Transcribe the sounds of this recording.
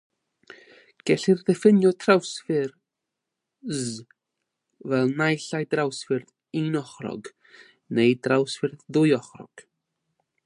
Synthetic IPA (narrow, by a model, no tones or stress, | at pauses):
ɡ̥ɛɬirðɛfɪnjɔtʰrawsfɪr | z | vɛlˠnajɬajdrawsfɪrð | inɔχrɔ̰ɡ | nejdrawsfɨrððʊjɔχrɔ̰ɡ̥